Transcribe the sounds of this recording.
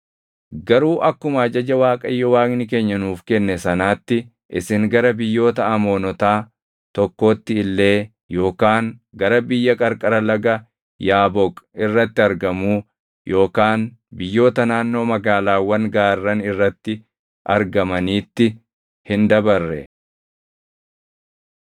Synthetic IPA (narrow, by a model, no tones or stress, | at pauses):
ɡɐɾuːʔɐkːʊmɐɐd͡ʒɐd͡ʒɐwaːkʼɐjːɔwaːknɪke̞ːɲːɐnuːfkɛnːɛsɐnaːt̪ːɪ | ʔɪsɪŋɡɐɾɐbɪjːo̞ːt̪ɐɐmo̞ːnɔt̪aː | t̪ɔkːo̞ːt̪ːɪɪlːe̞ː | jo̞ːkaːŋɡɐɾɐbɪjːɐkʼɐɾkʼɐɾɐlɐɡɐ | jaːbɔkʼɪrːɐt̪ːɪɐɾɡɐmuː | jʔo̞ːkaːn | bɪjːo̞ːt̪ɐnaːnːo̞ːmɐɡaːlaːwːɐŋɡaːrːɐnɪrːɐt̪ːɪ | ʔɐɾɡɐmɐniːt̪ːɪ | hɪnd̪ɐbɐrːɛ̰